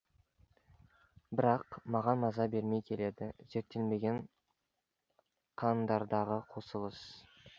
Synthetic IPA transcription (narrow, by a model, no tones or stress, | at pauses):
bɪɾɑqmɑʁɑnmɑzɑbe̞ɾme̞jkʲʰe̞le̞d̪ɪz̥e̞ɾt̪ːe̞lme̞ɡʲe̞ɴ | qʰɑnd̪ɑɾd̪ɑʁəqʰo̞səlˠəs